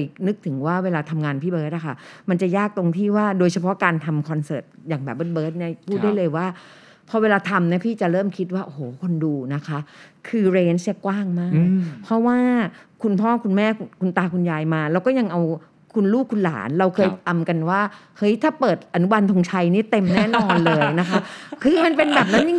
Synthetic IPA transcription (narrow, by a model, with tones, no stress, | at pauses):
jnɯ˦˥k̚t̪ʰɯ˩˦ŋwaː˥˩weː˧laː˧t̪ʰa˧mŋaː˧npʰiː˥˩bɤː˦˥t̪̚ʔa˨˩kʰa˥˩ma˧nt͡ɕa˨˩jaː˥˩k̚t̪o˧ŋt̪ʰiː˥˩waː˥˩doː˧jt͡ɕʰa˧pʰɔ˦˥kaː˧nt̪ʰa˧mkʰɔ˧nsɤː˨˩t̪̚jaː˨˩ŋbɛː˨˩ɯː˦˥˩t̪̚bɤː˦˥t̪̚ni˦˥˩pʰuː˥˩t̪̚da˥˩jlɤː˧jwaː˥˩ | pʰɔ˧˥weː˧laː˧t̪ʰa˧mni˦˥pʰiː˥˩t͡ɕa˨˩ɾɤː˥˩mkʰi˦˥t̪̚waː˥˩ʔo˨hoː˨˩˦kʰo˧nduː˧na˦˥kʰa˦˥ʔkʰɯː˧ɾeː˦˥nsa˥˩kwaː˥˩ŋmaː˥˩k̚pʰɾɔ˦˥waː˥˩kʰu˧npʰɔː˥˩kʰu˧nmɛː˥˩kʰu˧kʰu˧nt̪aː˧kʰu˧njaː˧jmaː˧ɾa˧wkɔː˥˩ja˧ŋʔa˧w | kʰu˧nluː˥˩k̚ʰːu˧nla̰ː˩˦nɾa˧wkʰɤː˧jt̪a˧mka˧nwaː˥˩ | hɤ˦˥jt̪ʰaː˥˩pɤː˨˩t̪̚ʔa˧nu˦˥wa˧nt̪ʰo˧ŋt͡ɕʰa˧jniː˦˥˩t̪e˧mnɛː˥˩n˧ɔː˧nlɤː˧jna˦˥kʰa˦˥kʰɯː˧ma˧npe˧nbɛː˨˩p̚na˦˥nji˧ŋ